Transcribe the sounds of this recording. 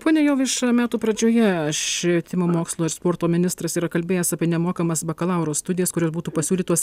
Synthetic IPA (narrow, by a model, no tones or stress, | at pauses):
poːnʲɛjɛʊʋʲɪʃmʲæːt̪uːpɾɐd͡ʒʲoːjɛɐʃʲʋʲet̪ʲɪmʲɐmoːkslˠoːɪɾspoːɾt̪oːmʲɪnʲɪst̪ɾɐsiːɾɐkɐlʲbʲeːjɛsɑːpʲiɛnʲɛmoːkɐmɐsbɐkɐlˠɐʊɾoːst̪ʊd̪ʲɪjɛskʊɾʲoːsbuːt̪uːpɐsʲuːlʲiːt̪uɔs